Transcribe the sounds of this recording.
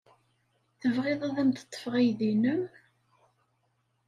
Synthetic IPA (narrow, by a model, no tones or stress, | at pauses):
θəvʁeðˤæðæmt̪ə̥t̪ˤːə̥fəʁæjðinəm